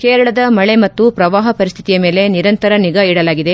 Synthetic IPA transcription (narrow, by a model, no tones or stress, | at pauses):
keːɾɐɭɐd̪ɐmɐɭe̞mɐt̪ːupɾɐʋaːɦɐpɐɾist̪ʰit̪ijɐme̞ːle̞niɾɐnt̪ɐɾɐniɡɐiɽɐlaːɡid̪e̞